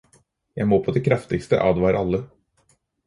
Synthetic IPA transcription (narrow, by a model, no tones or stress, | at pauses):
jæɪmoːpʰod̪ɛkʰɾɑft̪ɪɡst̪ə̰ʔɑ̰ːd̪ʋɑɪɾʔɑlːə